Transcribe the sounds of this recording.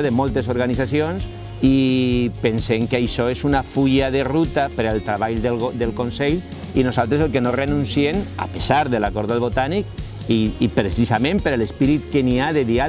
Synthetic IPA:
oðemɔlˠt̪esoɾɣanizasions | ipenseŋkajʃɔezunafuʎaðerut̪apeɾelt̪ɾaβaʎd̪elod̪elkonseʎ | inozalt̪ɾes̬elkenorenunsiena̰pesaɾðelakɔɾðaðlβot̪anik̚ | iːpɾesisamẽmpeɾalespiɾit̪̚keniaðeðia

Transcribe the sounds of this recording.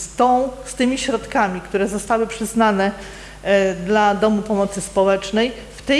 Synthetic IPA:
st̪ɔ̃w̃st̪ɘmʲiɕɾɔt̪kamʲikt̪uɾɛzɔst̪awɘpʂɘznanɛ | d̪lad̪ɔmupɔmɔt̪sɘspɔwɛt͡ʂnɛj | ft̪ɛ

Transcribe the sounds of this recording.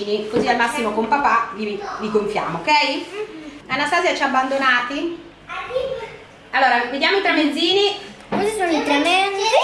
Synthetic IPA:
nikozialmasːimokompapavivikoɱfja̰ːmoːkɛj | anːast̪aːzjat͡ʃabːand̪onaːt̪i | alːoːɾaved̪jaːmoit̪ɾemed̪zːiːni | kɔzisoːnoit̪ɾemɛ

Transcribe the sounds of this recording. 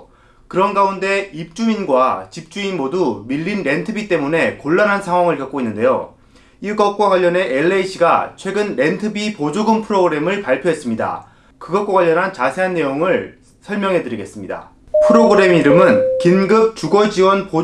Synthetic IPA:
kɯɾʌnɡaunde̞ip̚t͡ɕ͈uinɡwat͡ɕip̚t͡ɕ͈uinmodumiʎːinɾe̞ntʰɯbit͈e̞mune̞koɭːanɦansʰaŋɦwaŋɯɭkak̚k͈oinːɯnde̞jo̰ | iɭk͈ʌk̚k͈waɡwaʎːʌne̞ʔeɭːeiɕʰiɡat͡ɕʰwe̞ɡɯnɾe̞ntʰɯbipod͡ʑoɡɯmpʰɯɾoɡɯɾe̞mɯɭpaɭpʰjoɦe̞s͈ɯmɲida̰ | kɯɡʌt̚kwaɡwaʎːʌnɦant͡ɕasʰe̞ɦanːe̞joŋɯɭ | sʰʌɭmjʌŋɦe̞dɯɾiɡe̞s͈ɯmɲida̰ | pʰɯɾoɡɯɾe̞miɾɯmɯnkinɡɯp̚t͡ɕuɡʌd͡ʑiwʌnpo

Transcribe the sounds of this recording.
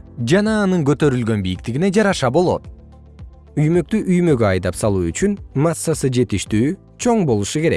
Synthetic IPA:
d͡ʒɑnɑːnɯŋɡø̞t̪ø̞ɾylɡø̞nbijik̚t̪iɡine̞d͡ʒɑɾɑʃɑbo̞lˠo̞̰t̪̚ | yjmø̞k̚t̪yʔyjmø̞ɡøɑjd̪ɑpsɑlˠuːyt͡ʃynmasːasɯd͡ʒe̞t̪iʃt̪yː | t͡ʃʰo̞ɴbo̞lˠuʃuke̞ɾe̞̰k̚

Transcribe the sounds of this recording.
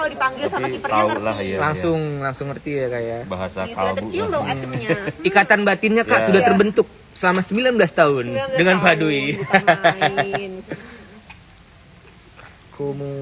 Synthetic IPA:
dipaŋɡɪsaaiəaulahlaŋsʊŋlaŋsʊŋːərt̪iakajabaɦasaka | ikat̪anbat̪iɲakaʔsudaht̪ərbənt̪ʊk̚ | səlamasəmbilanbəlast̪aʊndəŋanpadui | kʰomu

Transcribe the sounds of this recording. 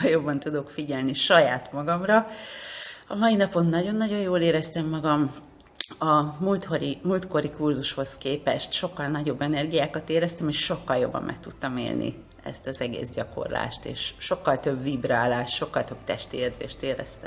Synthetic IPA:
ljo̞bːɒnt̪ud̪o̞kfiɟɛlniʃɒjaːt̪mɒɡɒmrɒ | ɒmɒjinɒpo̞nːɒɟo̞nːɒɟo̞joːleːɾɛst̪ɛmːɒɡɒm | ɒmult̪hoɾimult̪ko̞ɾikurzuʃho̞skeːpɛʃt̪ʃo̞kːɒlnɒɟo̞bːɛnɛrɡijaːkɒt̪eːɾɛst̪ɛmeːʃʃo̞kːɒljo̞̰bːɒ̰mmʔɛ̰k̚t̪ut̪ːɒmḛːlnḭ | ɛ̰st̪ɒzɛɡḛːzɟɒko̞̰rla̰ːʃt̪ḛːʃːo̞kːɒlt̪ø̞bvibraːlaːʃʃo̞kːɒlt̪ø̞bt̪ɛʃt̪ieːrzḛːʃt̪eːɾɛ̰st̪ɛm

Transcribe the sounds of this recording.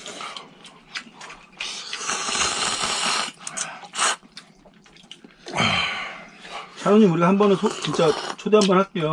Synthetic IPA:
sʰajoŋɲimuɾiɡahambʌnɯt͡ɕint͡ɕ͈at͡ɕʰodeɦambʌnhakt͈ejo

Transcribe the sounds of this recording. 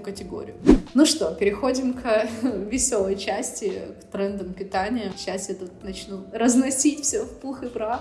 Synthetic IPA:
kətʲɪɡo̞̰ɾʲɪ̰jʊnuʂt̪o̞pʲɪɾʲɪxo̞dʲɪmkvʲɪsʲolˠəjt͡ɕæsʲtʲɪkt̪ɾɛnd̪əmpʲɪt̪anʲɪəɕasɛt̪ət̪nɐt͡ɕnuɾəznɐsʲitʲfsʲofplˠxɨbɾa

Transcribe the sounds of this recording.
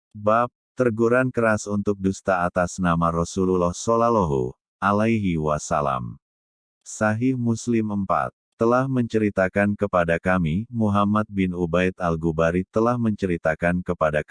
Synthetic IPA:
bap̚t̪ərɡuɾankəɾasunt̪ʊk̚dust̪aːt̪asnamarɔsululɔhsolalɔɦṵ | alajɦiwasa̰la̰m | saɦɪhmuslɪməmpa̰t̪ːəlahməɲt͡ʃəɾit̪akankəpadakamimuɦamat̪̚bɪnubajt̪alɡubaɾit̪əlahməɲt͡ʃəɾit̪akankəpada

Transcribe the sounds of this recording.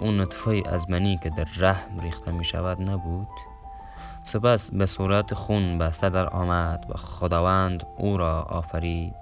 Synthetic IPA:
uːnʊt̪fɔːjiʔæ̰zmæniːked̪æɾːæhmɾiːxt̪ʰæmiʃa̰væd̪næbud̪̥ | sepæsbesuːɾat̪xunbæst̪ad̪æɾɒ̰ːmæd̪̥væ̰χod̪ɑːvænd̪uɾɒːʔɒ̰ːfæɾiːd̪̥

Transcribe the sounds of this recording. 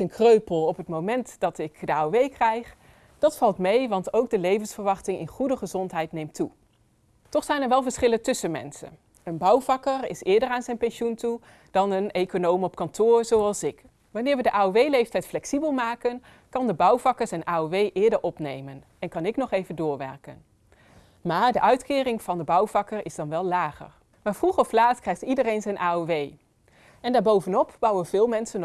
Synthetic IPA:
ənkrøɥpəlˠɔpɦətmowmɛntd̥ɑtɪkdəaːoʋejkrɛjχ | d̥ɑtfɑlˠtmejʋɑntowɡ̚dəlejvənsfəɹʋɑχtɪŋɪ̰nχudəχəzɔntɦɛjtnejmtu | tɔχsɛjnɛɹʋɛlˠvəɹsχɪləntɵsənmɛ̰nsə̰n | ənbʌwvɑkərɪsɪːɹdəɹaːnzɛjnpɛnʃuntu | d̥ɑnənejkonowmɔp̚kɑntʊːɹz̥owɑlˠsɪk | ʋɑnɪːɹʋədəʔaːoʋejlejftɛjtflɛksibəlˠmaːkən | kɑndəbʌwv̥ɑkəɹsɛnʔaːoʋejʔɪːɹdəɹʔɔpnejmən | ɛnkɑnɪknɔχejvəndʊːɹʋɛ̰ɹkə̰n | maːɹdəʔœɥtkɪːrɪŋv̥ɑndəbʌwvɑkəɹɪzdɑnʋɛlˠlaːχə̰ɹ | maːɹv̥ruχɔflaːtkrɛjχtidərejnzɛjnʔaːoʋej | ɛndaːɹbowvənɔpb̥ʌwənv̥ɪːlˠmɛnsən

